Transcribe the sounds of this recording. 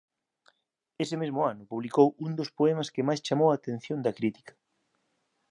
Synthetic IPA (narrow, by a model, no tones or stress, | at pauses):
esɪmezmʊanʊpuβlikowund̪ospoɛmɐskemajst͡ʃamowaːt̪ẽn̟θjond̪ɐkɾit̪i̥kɐ̥